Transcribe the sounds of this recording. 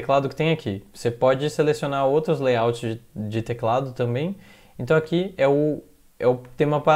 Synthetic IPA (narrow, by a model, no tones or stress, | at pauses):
klad̪ʊkɪ̥t̪ẽj̃akʰivosepɔd͡ʒɪselesionaɾowt̪ɾʊzlejawt͡ʃɪzd͡ʒɪd͡ʒɪt̪eklad̪ʊt̪ɐ̃mbẽj̃ | ẽnt̪ɐ̃w̃akiɛʊ | ɛʊt̪ẽmɐpa